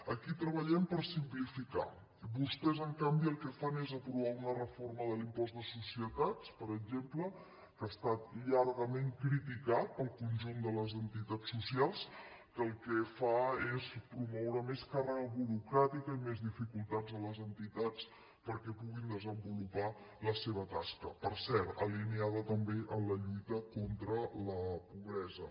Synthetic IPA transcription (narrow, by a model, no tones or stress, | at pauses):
əkit̪ɾəβəʎɛmpəɾsimplifika̰ | βust̪ɛzəŋkambiəlˠkɛfanezəpɾuβ̞aunərəforməðəlimpɔzd̪əsusiət̪at͡spəɾəɡʒemplə | kaːst̪at̪̚ʎaɾɣəmeŋkɾit̪ikat̪̚pəlˠkunʲʒund̪ələzənt̪it̪at͡sːusialˠs | kəːlˠkɛfaespɾumɔwɾəmeskarəɣəβuɾukɾat̪ikəimezðifikulˠt̪ad͡zələzənt̪it̪at͡s | pəɾkɛpuɣind̪əzəmbulupa | ləseβət̪askə̰pəɾsɛɾt̪əliniaðət̪əmbeʔənləʎujt̪əkont̪ɾələpuβɾɛzə̰